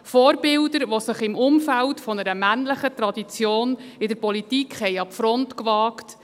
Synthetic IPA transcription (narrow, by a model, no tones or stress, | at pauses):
fɔːɾbɪldəɾʋosəχɪmʊmfæltfɔnəɾəmænləχətɾɑdit͡sjoːnɪdəɾpɔlitikχhɛjɑpfɾɔntkvɑːkt